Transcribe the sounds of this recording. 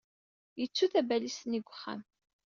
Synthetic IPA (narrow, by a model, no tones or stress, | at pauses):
jət͡sːuθæbælisniɡʷːəχːa̰m